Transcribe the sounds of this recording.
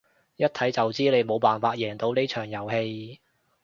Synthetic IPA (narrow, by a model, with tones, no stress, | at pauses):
jɐ˥t̚t̪ʰɐ˨˥jt͡sɐ˨wt͡siː˥le˨˧jmo˨˧wpaː˨˩nfaː˧t̚jɛː˨˩ŋt̪o˨˧wne˥jt͡ʃʰœː˨˩ŋjɐ˨˩whe˧j